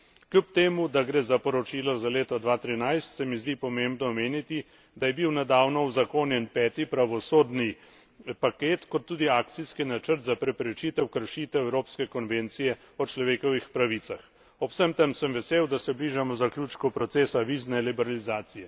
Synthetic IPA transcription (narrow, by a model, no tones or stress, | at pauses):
klʲjupt̪eːmud̪aɡɾeːzapɔɾɔt͡ʃiːlɔzaleːt̪ɔd̪ʋaːt̪ɾinajst̪sɛmizd̪ipɔmembnɔːmeːnit̪i | d̪ajɛbiwnɛd̪aːwnɔwzakoːnjɛnpɛːt̪ipɾaʋɔsoːd̪ni | pakeːt̪kɔt̪ːuːd̪iaːkt̪siskinat͡ʃəɾt̪zapɾɛpɾɛt͡ʃiːt̪ɛwkəɾʃit̪ɛɛwɾoːpskɛkɔnʋeːnt̪sijɛ | ɔt͡ʃlɔʋeːkɔʋixpɾaʋit̪sax | ɔpsəmt̪əmsəmʋɛseːwd̪asɛbliːʒamɔzaklʲjut͡ʃkɔpɾɔt̪seːsaʋiːznɛlibɛɾalizaːt̪sijɛ